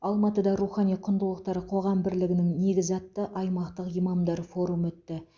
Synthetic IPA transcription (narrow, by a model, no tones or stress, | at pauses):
ɑlˠmɑt̪əd̪ɑɾuχɑnijqʰʊnd̪əlˠəq̚t̪ɑɾəqʰo̞ʁɑmbɪɾlɪɡʲɪnɪŋne̞ɡʲɪzɑt̪ːəʔɑjmɑqt̪əqijmɑmd̪ɑɾfo̞ɾumɵt̪ːɪ